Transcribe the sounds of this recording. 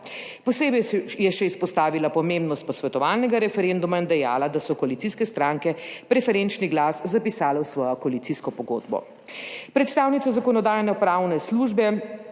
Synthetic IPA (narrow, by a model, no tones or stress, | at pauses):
pɔseːbɛjɛʃɛispɔst̪aːʋilapɔmembnɔst̪̚pɔsʋɛt̪ɔʋaːlnɛɡaɾɛfɛɾend̪umaind̪ɛja̰ːlad̪asɔkɔalit̪iːskɛst̪ɾaːŋkɛpɾɛfɛɾent͡ʃniɡlaːszapisaːlɛwsʋɔːjɔkɔalit̪siskɔpɔɡo̰ːd̪bɔ̰ | pɾɛt̪st̪aːwnit̪sazakɔnɔd̪aːjnɛpɾaːwnɛsluʒbɛ